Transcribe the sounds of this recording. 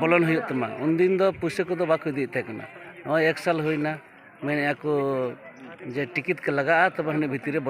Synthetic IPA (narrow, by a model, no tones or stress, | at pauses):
bɔlɔnɦujuʔt̪ɔma̰und̪ind̪ɔpusekɔd̪ɔbakʰujd̪iʔ̚t̪akana̰nɔjɛksalɦujna | mɛnɛjakɔ | d͡ʒɛʈikit̪̚kɛlaɡaʔat̪ɔbɛɦɔnɛʔbʱit̪iɾɛbɔ